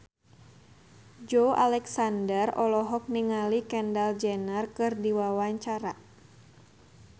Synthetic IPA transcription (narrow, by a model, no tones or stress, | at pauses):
d͡ʒoʔa̰lɛksandərɔlɔɦɔk̚niŋalikɛndald͡ʒɛnərkɨrdiwawaɲt͡ʃaɾa